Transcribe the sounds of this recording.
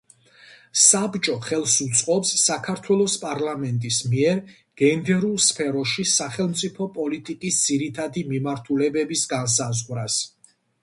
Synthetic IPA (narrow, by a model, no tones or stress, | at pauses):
sabt͡ʃʼɔχɛlˠsut̪sʼqʼɔpsːakʰaɾt̪ʰwɛlˠɔspʼaɾlamɛnt̪ʼismiɛɾ | ɡ̥ɛnd̪ɛɾulˠspʰɛɾɔʃisaχɛlˠmt̪sʼipʰɔpʼɔlit̪ʼikʼisd̪z̥iɾit̪ʰad̪imimaɾt̪ʰulɛbɛbisɡans̬azʁwɾas